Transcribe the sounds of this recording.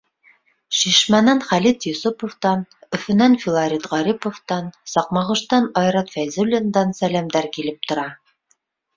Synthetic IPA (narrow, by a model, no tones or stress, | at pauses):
ʃiʃmænænχælit̪jŏsopŏft̪ɑnɵ̆fɵɘ̆nænfʲɪlˠɑɾʲit̪ʁɑɾipŏft̪ɑnsɑq̚mɑʁɤ̆ʃt̪ɑnɑjɾɑt̪fæjzɵlʲɪnd̪ɑnsælæmd̪æɾkilɘp̚t̪ŏɾɑ